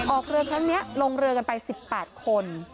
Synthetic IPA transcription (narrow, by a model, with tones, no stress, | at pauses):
ʔɔː˨˩k̚ɾɯ˧əkʰɾa˦˥ŋni˦˥ɐloː˧ŋɾɯ˧əka˧npa˧jsi˨˩pːɛː˨˩t̪̚kʰo˧n